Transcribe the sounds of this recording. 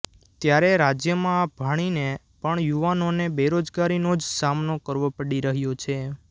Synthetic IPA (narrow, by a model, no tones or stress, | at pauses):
t̪jaɾeɾad͡ʒjəmãb̥ʱaɽ̃ine | pəɳjuʋanonebeɾod͡ʒɡaɾinod͡ʒsamnokəɾʋopəɽiɾəɦjot͡ʃʰe